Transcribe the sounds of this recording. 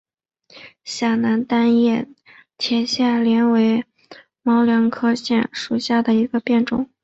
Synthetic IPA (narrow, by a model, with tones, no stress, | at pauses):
ɕja˥˩na˧˥nt̪a˥njɛ˥˩ | t̪ʰjɛ˧˥ɕja˥˩nljɛ˧˥nwe˧˥ɪ | mɑ˧˥ʊljɑ˧˥ŋkʰɤ˥ɕjɛ˥˩nʂu˨˩ɕja˥˩d̪ə˩i˧˥ɡə˧pjɛ˥˩nʈ͡ʂʊ̰˨˦